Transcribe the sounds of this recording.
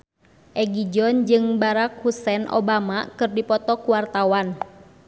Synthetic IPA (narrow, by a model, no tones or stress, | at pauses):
ʔɛɡid͡ʒɔnd͡ʒɨŋbaɾak̚husɛnʔo̰bamakɨrdipɔt̪ɔkuwart̪awan